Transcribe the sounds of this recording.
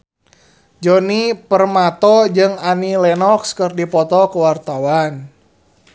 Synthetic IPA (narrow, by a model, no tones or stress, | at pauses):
d͡ʒɔnipərmat̪ɔd͡ʒɨŋanilɛnɔkskərdipɔt̪ɔkəwart̪awan